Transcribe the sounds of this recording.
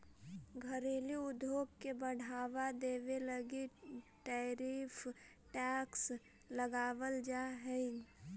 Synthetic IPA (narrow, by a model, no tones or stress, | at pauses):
ɡʱəɾeːliʊd̪ʱoːk̚kebəɽ̤aːʋad̪eːʋeləɡiʈɛːɾiːpʰ | ʈɛːks | ləɡaːʋəld͡ʒaɦɛi